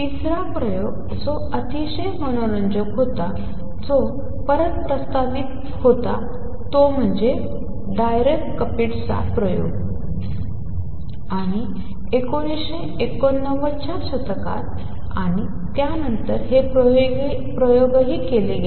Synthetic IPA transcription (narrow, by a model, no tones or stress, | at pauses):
t̪isɾapɾəjoɡ | d͡zɔ | ət̪iɕeɦməɽ̃oɾəɲd͡ʑəkɦot̪a | d͡zo | pəɾət̪̚pɾəst̪aʋit̪̚ | hot̪a̰ | t̪om̤əɳd͡ze | ɖajɾekʈkəpiʈt͡sa̰pɾəjo̰ɡ | aɽ̃i | ekoɽɕe | ekːonːəʋət͡ɕaɕət̪ka̰t̪ | a̰ɽ̃i | t̪janənt̪əɾɦepoɡ | pɾəjoɡɦiːkeleɡe